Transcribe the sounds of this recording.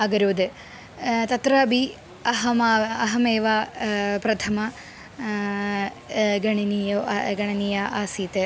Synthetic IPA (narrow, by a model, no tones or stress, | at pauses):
ɐɡɐɾoːd̪ɨ | t̪ɐt̪ɾɐbʱi | ɐɦɐmɐɦɐmeːʋapɾɐt̪ʰɐmɐ | ɡɐɳɐnijoɡɐɳɐnijaʔaːsiːt̪ɨ